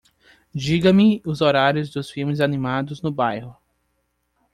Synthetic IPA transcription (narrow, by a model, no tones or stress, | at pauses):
d͡ʒiɡɐmɪʊzoɾaɾjʊzd̪ʊsfiwmɪzanimad̪ʊznʊbajhʊ